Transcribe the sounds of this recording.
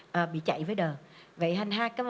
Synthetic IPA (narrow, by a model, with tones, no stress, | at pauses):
ʔəː˨˩ɓḭ˧˨t͡ɕa̰˧˨jvəː˨˦jɗəː˨˩ | və̰˧˨jɦa˧jŋ̟ɦaː˧˦jkaː˨˦